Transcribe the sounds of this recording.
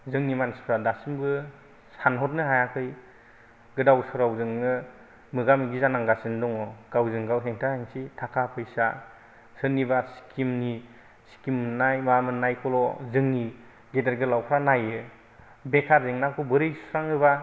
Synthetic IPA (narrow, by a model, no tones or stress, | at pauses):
zɯŋnimansi̥pʰɾadasimɡɯ | sanɦɔt̚nɯɦajakʰɯj | ɡɯdawsɔɾawzɯŋnɯ | mɯɡamiɡizanaŋɡasɯndɔŋɔɡ̥awzɯŋɡawɦeŋtʰahaŋsitʰakʰapʰɯjsa | sɯnːibasi̥kʰimni | si̥kimːɯnːajmamɯnːajkʰɔlɔzɯŋni | ɡedeɾɡɯlawkʰɾanajɯ | bekʰaɾzeŋnakʰubɯɾɯjsɾaŋɯba